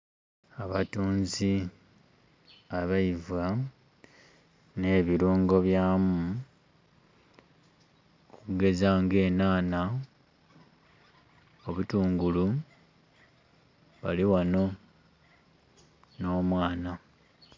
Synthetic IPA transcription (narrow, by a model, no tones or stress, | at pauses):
aβatuːnzi | aβaiva | ne̞ːβiɾuːŋɡo̞βjaːmu | kukuɡe̞zaːŋɡe̞ːnaːna | oβutuːŋɡulu | βaliwano̞ | no̞ːmwaːna